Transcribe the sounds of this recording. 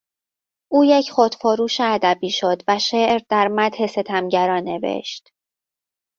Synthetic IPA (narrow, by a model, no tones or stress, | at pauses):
ʔuːjecʰχod̪̥foɾuːʃeæd̪æbiːʃo̞d̪væʃeːʔɾd̪æɾmæt̪he̞se̞t̪ʰæmɟæɾɒːnːe̞vḛʃt̪